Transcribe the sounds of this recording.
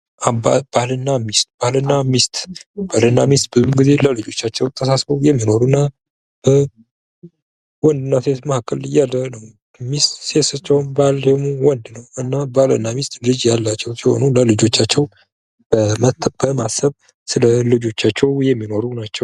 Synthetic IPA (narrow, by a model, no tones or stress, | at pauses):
aba̰b̥ahlɨnːamist̪̚ʼb̥ahlənːamist̪ʼbalɨnːamist̪̚bɨzumɡize̞ləlɨd͡ʒo̞t͡ʃːat͡ʃːɛwt̪ʼʰːəsasbəwjɛmːino̞ɾunːa | b̥ə | wɔnd̪ɨnːase̞t̪mahakʼːəljalːənəw | mist̪sesat͡ʃːɛwnbaljɛmuwɔnd̪nəwɨnːabahlə̰nːamist̪ʼlɨd͡ʒjalːat͡ʃːɛwsiho̞̰nuləlɨd͡ʒo̞t͡ʃːat͡ʃːɛw | b̥əmət̪ːb̥əmasːəβ | sɨləlɨd͡ʒo̞t͡ʃːat͡ʃːɛwjɛmːino̞ɾunat͡ʃːɛw